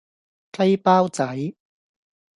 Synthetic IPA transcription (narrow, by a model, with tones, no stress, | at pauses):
ka˥jpaː˥˩wt͡sa˩˦j